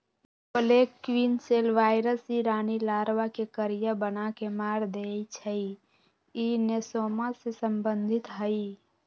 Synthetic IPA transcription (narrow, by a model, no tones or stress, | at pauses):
pəlekːwinselʋaːɪɾəsiɾaːnilaːɾʋakekəɾijabənakemaːɾd̪et͡ʃʰəi | inesoːmasesəmbənd̪ʱɪt̪ɦəi